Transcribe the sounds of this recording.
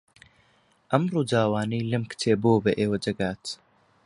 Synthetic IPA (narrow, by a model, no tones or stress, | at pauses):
ʔɐmruːdaːwaːniːlɨmkɨ̥t͡ʃʰeːboːbɐʔeːwɐd͡ʒɐɡaːt̪